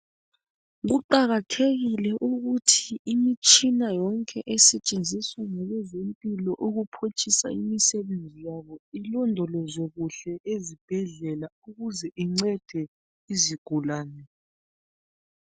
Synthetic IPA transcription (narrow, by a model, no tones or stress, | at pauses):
ɣuǃaɣatʰeɣilɛʔuɣutʰiimit͡ʃʼinajɔŋkʼɛʔɛsɛt͡ʃʼend͡zʱiswaŋalɛzempʼilɔʔoɣupʰot͡ʃʼisa̰imisɛβend͡zʱijaβɔilɔndʱɔlɔzoɣuɬɛʔezib̥ʱɛɮɛlauɣuzɛʔiŋ͡ǀɛd̥ʱɛ | iziɡ̥ʱulaːnɛ